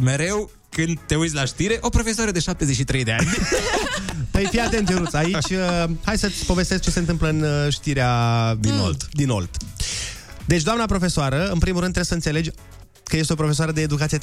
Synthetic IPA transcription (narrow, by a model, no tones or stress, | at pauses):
me̞ɾe̞w | kɨnd̪̚t̪e̞ujt̪sʲlaʃt̪iɾe̞ʔo̞pɾo̞fesoaɾəd̪e̞ʃap̚t̪e̞zet͡ʃʃit̪ɾejd̪eanʲ | pəjfijat̪ent̪t͡ʃeɾut̪sʲait͡ʃʲəhajsət̪sʲpo̞ve̞st̪ek̚t͡ʃe̞se̞nt̪ɨmpləɨnʃt̪iɾead̪ino̰ld̪d̪ino̰ld̪̥ | d̪e̞t͡ʃʲd̪oamnapɾo̞fe̞soaɾəɨnpɾimuɾɨnd̪ɾe̥səɨnt̪sele̞d͡ʒʲ | kəje̞st̪eo̞pɾo̞fesoaɾəd̪eːd̪ukat̪sie